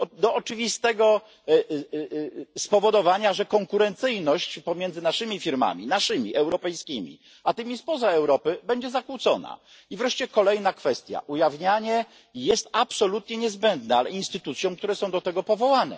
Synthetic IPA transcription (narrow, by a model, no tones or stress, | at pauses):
d̪ɔʔɔt͡ʂɘvʲist̪ɛɡɔ | spɔvɔd̪ɔvaɲaʐɛkɔŋkuɾɛnt̪sɘjnɔɕt͡ɕpɔmʲjɛnd̪zɘnaʂɘmʲifʲiɾma̰mʲḭnaʂɘmʲḭʔɛwɾɔpɛjskʲimʲḭ | at̪ɘmʲispɔzaɛwɾɔpɘbɛɲd͡ʑɛzakut̪sɔ̰na̰ | ivɾɛʂt͡ɕɛkɔlɛjnakfɛst̪ʲja̰ʔujavɲaɲɛ | jɛst̪apsɔlut̪ɲɛɲɛzbɛnd̪nɛalɛ̰inst̪ɘt̪ut̪sʲjɔ̃w̃k̚t̪uɾɛsɔ̃w̃d̪ɔt̪ɛɡɔpɔvɔwanɛ̰